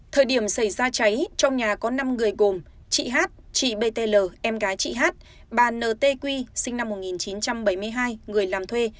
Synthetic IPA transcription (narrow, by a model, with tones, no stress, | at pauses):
t̪ʰəː˨˩jɗi˧˩əmsa˧˩jzaː˧t͡ɕa˨˦jt͡ɕɔ˧wŋ͡mɲaː˨˩kɔ˨˦na˧mŋɨ˨˩əjɣo˨˩m | t͡ɕḭ˧˨ɦaː˦˥t̚t͡ɕḭ˧˨ɓe˧t̪e˧ləː˨˩ʔɛ˧mɣaː˨˦jt͡ɕḭ˧˨ɦaː˦˥t̚ | ɓaː˨˩nəː˨˩t̪e˧kwi˧sï˧ŋ̟na˧mːo˨˩t̚ŋi˨˩nt͡ɕi˨˦nt͡ɕa˧mɓə˧˩jmɨ˧əjɦaː˧jŋɨ˨˩əjlaː˨˩mt̪ʰwe˧